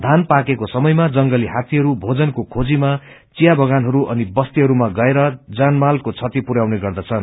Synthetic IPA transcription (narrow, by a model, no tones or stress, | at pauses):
d̪ʱanpakekosʌmʌjmad͡zʌŋɡʌliɦat̪iɦʌɾubʱod͡zʌnkokʰod͡zima | t͡sijabʱʌɡanɦʌɾuʔʌnibʌst̪iɦʌɾumaɡʌeɾʌd͡zanmalkot͡sʰʌt̪ipuɾawneɡʌrd̪ʌt͡sʰʌn